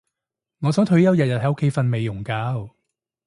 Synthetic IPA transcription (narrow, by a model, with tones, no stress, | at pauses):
ŋɔː˨˧sœː˨˥ŋt̪ʰɵ˨˧˥jɐ˨˧wjɐ˨t̚jɐ˨t̚hɐ˨˥jʊ˥kʰe˨˧˥jfɐ˧nme˨˧jʊ˨˩ŋkaː˧w